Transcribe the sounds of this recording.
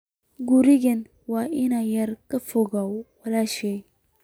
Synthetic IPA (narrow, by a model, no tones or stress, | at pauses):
ɡuɾiɡen | wainajaɾkəfoɡawwalaʃe